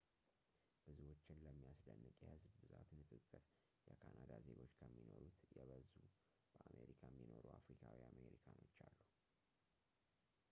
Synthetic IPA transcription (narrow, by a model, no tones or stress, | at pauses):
b̥ɨzuwo̞t͡ʃːɪnləmːijasd̪ənːɨkʼjɛhɨzbbɨzat̪nɨsʼɨsʼɨɾ | jɛkʰanad̪aze̞ɡo̞t͡ʃːkʰəmːino̞ɾut̪jɛβəzu | b̥əʔamʔeɾikʰaɛmːino̞ɾuafɾikʰawiame̞ɾikʰano̞t͡ʃːalːu